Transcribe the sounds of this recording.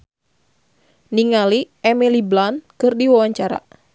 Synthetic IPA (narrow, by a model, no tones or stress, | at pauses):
niŋali | ɛmiliblankɨrdiwawaɲt͡ʃaɾa̰